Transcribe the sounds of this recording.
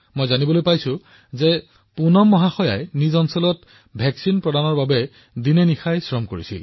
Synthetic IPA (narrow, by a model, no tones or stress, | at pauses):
mojzanibɔlojpajsʊ̃ | zɛ | punɔmːɔɦaxɔja̰jnizɔnsɔlɔt | bʱɛksinpɹɔdanɔɹbabɛ | dinɛnixajsɹɔmkoɹisḭl